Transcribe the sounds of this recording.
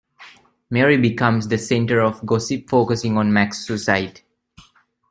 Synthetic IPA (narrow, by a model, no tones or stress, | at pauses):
meɹibikʌ̃msd̪əsẽnʈəɾɔfɡɔsipfoːkəsɪ̃ŋɔ̃nmæksːusaɪʈi̥